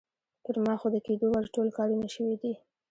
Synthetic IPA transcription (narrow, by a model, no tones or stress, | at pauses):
p̪əɾmɑxod̪əked̪owaɾʈolkɑɾunaʃəwid̪i